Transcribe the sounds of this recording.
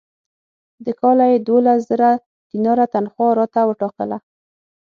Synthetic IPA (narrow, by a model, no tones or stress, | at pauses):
d̪əkɑlajed̪olaszəɾa | d̪̥inɑɾat̪anxwɑɾɑt̪awəʈɑkəla